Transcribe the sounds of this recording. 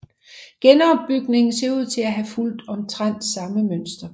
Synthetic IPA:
ɡ̥enɒb̥ːyɡ̥ne̝ŋn̩se̝ɐuð̞̰ˠt͡sʰe̝læɦæful̰d̥ɒ̽mt͡sʰʁan̰d̥sɑ̈məmønsd̥ɐ

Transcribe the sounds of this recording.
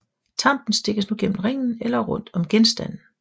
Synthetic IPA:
t͡sʰɑ̈m̰b̥n̩sd̥e̝ɡ̥əsnuɡ̥en̰mn̩ʁeŋ̰n̩elɐʁɔ̽n̰d̥ɒ̽mɡ̥ensd̥æn̰n̩

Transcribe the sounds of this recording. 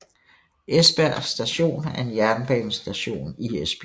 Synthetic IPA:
ʔesb̥æɐ̰sd̥æɕo̝̰ːnæɐe̝njæɐnb̥ɛ̰ːn̩sd̥æɕo̝̰ːniesb̥

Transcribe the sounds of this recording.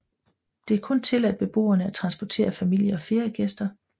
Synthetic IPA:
d̥e̝æɐkʰɔ̽nt͡sʰe̝læd̥̚b̥e̝b̥o̝̰ːɐnəæt͡sʰʁɑ̈nsb̥ɒt͡sʰe̝̰ːɐfæmil̰jɐɒ̽fe̝ːɐjɐɡ̥esd̥ɐ

